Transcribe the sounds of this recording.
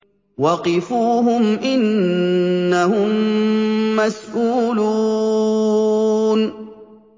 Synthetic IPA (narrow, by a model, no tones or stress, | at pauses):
wɑqɪfuːɦʊmʔɪnː | ahʊmː | asʔuːluː | n